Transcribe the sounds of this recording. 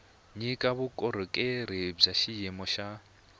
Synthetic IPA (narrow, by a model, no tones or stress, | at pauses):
ɲikʼaβukʼɔɾɔkʼeɾib͡ʐaʃijɛmɔʃa